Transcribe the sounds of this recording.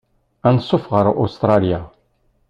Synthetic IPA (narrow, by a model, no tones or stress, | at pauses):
ænsˤːofʁəɾʔṵst̪ɾˤɑlija